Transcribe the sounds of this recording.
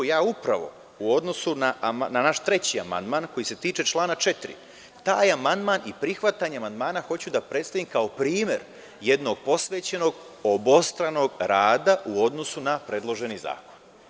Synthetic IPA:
jaːupɾaʋo̞̰ | uo̞d̪no̞sunananaʃt̪ɾe̞t͡ɕia̰ma̰nd̪maːnko̞jise̞t̪iːt͡ʃe̞t͡ʃlˠaːnat͡ʃe̞t̪ɾḭ | t̪aːjamand̪maːnipɾixʋat̪aɲeamand̪maːnaxo̞t͡ɕud̪apɾe̞t̪st̪aʋimkao̞pɾiːme̞̰ɾ | je̞d̪no̞ɡ̚po̞sʋe̞ːt͡ɕe̞no̞ɡ | obost̪ɾano̞ɡɾaːd̪aʔuo̞d̪no̞sunapɾe̞ːd̪lˠo̞ʒe̞niza̰ːkon

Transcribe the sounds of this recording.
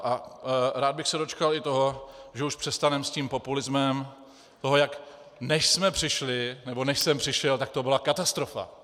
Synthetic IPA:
ʔaɾaːd̪̚bɪxsɛdo̞t͡ʃkalɪt̪o̞ɦo̞ʒɛuʃpr̥ɛst̪anɛmsciːmpopulɪzmɛm | t̪o̞ɦo̞jak | nɛʃsmɛpr̝̥ɪʃlɪnɛbo̞nɛʃsɛmpr̥ɪʃɛlt̪ak̚t̪o̞bɪlakat̪ast̪ɾo̞fa̰

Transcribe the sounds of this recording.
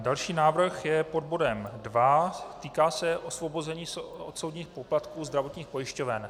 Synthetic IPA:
dalʃiːnaːvr̩xjɛpo̞d̚bo̞dɛmdvat̪iːkaːsɛʔo̞svo̞bo̞zɛɲiːso̰t̪so̞wdɲiːxpo̞plat̪kuːzd̪ɾavo̞t̪ɲiːxpo̞jɪʃco̞vɛn

